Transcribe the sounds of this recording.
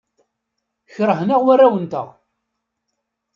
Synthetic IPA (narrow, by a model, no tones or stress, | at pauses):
çɾəɦnəʁwærːæwənt̪ə̰ʁ